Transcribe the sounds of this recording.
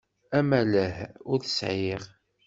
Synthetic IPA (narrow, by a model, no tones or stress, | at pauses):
æmæləhʊɾθəsʕiʁ